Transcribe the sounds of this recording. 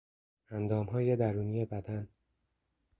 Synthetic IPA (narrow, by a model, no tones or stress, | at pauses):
ænd̪ɒːmɦɒːje̞d̪æɾuːnije̞bæd̪æn